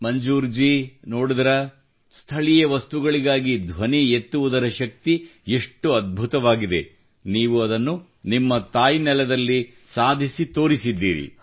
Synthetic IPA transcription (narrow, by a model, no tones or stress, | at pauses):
mɐɲd͡ʒuːɾd͡ʒinoːɽud̪ɐɾɐ | st̪ʰɐɭijɐʋɐst̪uɡɐɭiɡaːɡid̪ʱʋɐniet̪ːuʋud̪ɐɾɐʃɐk̚t̪ieʂʈːuɐd̪̚bʱut̪ɐʋaːɡid̪e | niːʋuɐd̪ɐnːu | nimːɐt̪aːjinɛlɛd̪ɐlːi | saːd̪ʱisit̪o̞ːɾisid̪ːḭːɾḭ